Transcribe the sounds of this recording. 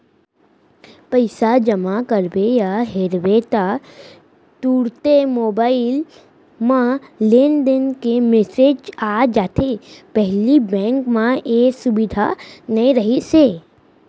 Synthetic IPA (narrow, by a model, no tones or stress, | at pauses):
pəɪsad͡ʒəmakəɾbejaɦeɾʋeːt̪a | t̪uːɾt̪emoːbaːɪl | mãlend̪ɪnkemesed͡ʒaːd͡ʒaːt̪ʰepɛɦlibɛ̃ːŋkmãeːsʊbɪd̪ʱanɐĩɾəɦiseː